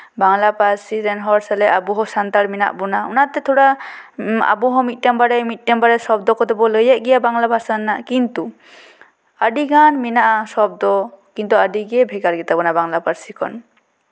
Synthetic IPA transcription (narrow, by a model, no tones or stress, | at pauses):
baŋlapaɾsiɾɛnɦɔɾsalɛʔabuɦɔsant̪aɾmina̰ʔbɔnaɔ̰nat̪ɛt̪ʰɔɽa | a̰bɔɦɔmit̪̚ˀʈɛmbaɽɛmit̪̚ˀʈɛmbaɽɛsɔb̚d̪ɔkɔd̪ɛbɔləjɛʔ̚ɡɛjabaŋlabʱasanːaʔkint̪u | əɖiɡanminaʔasɔb̚d̪ɔkint̪uaɖiɡɛbʱɛɡaɾɡɛt̪abɔnabaŋlapaɾsikʰɔn